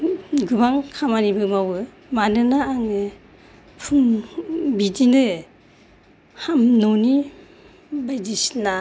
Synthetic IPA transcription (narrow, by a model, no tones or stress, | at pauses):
ɡɯbaŋkʰamanibɯmawɯ | manɯnaːŋɯ | pʰuŋbidinɯ | hamnɔni | bajdisna